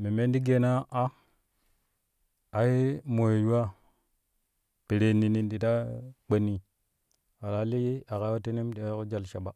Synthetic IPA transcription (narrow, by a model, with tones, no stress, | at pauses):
mi˨me˦ndi˦ɡe˦˨na˦ʔa˦ | a˨ji˦mo˨je˨ju˦a˦ | pi˨ɾe˨ni˨ni˨ndi˨ta˦k͡pe˨nːi˨ | wa˨ɾa˨˦li˦ji˦a˨ka˦wo˦te˦ni˦mdi˨a˦ko˦d͡ʒa˨lʃa˨ɓa˨